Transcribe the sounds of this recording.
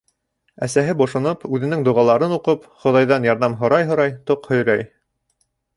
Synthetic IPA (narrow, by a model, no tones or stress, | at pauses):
æsæɦɘbŏʃŏnɤpʉðɘ̆nɘŋd̪ŭʁɑlˠɑɾɤnuqɤpχŏðɑjðɑnjɑɾðɑmɦŏɾɑjɦŏɾɑjt̪oqhɵ̆jɾæj